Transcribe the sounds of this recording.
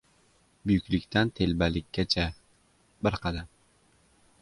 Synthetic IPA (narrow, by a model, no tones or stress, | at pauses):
bʊjykʲlɪkʲt̪ʰant̪ʰelbalɪkʲːat͡ʃʰa | bɪɾqʰɑd̪am